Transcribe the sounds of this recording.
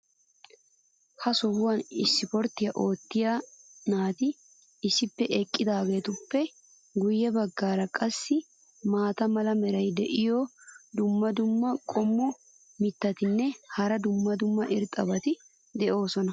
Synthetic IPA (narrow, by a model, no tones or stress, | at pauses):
hɐsɔhʊwɐnɪsːɪpɔɾt̪ːɪjɐʔo̞ːt̪ːɪjanaːt̪ɪ | ɪsːɪpːɛʔɛkʼːɪd̪aːɡe̞ːt̪ʊpːɛ | ɡʊjːɛbɐɡːaːɾɐkʼɐsːɪ | maːt̪ɐmɐlɐmɛɾɐjd̪ɛʔɪjɔd̪ʊmːɐd̪ʊmːɐkʼɔmːɔ | mɪt̪ːɐt̪ɪnːɛhɐɾɐd̪ʊmːɐd̪ʊmːɐʔɪɾt̪ʼɐbɐt̪ɪ | d̪ɛʔo̞ːsɔnɐ